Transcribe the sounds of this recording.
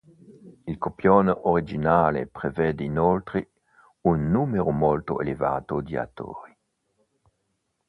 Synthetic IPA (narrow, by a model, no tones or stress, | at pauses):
ilkopjɔnʔoɾid͡ʒinaːlḛpɾevɛːd̪einɔlt̪ɾi | unːuːmeɾomɔlt̪oḛleva̰ːt̪od̪ia̰t̪ːo̰ːɾi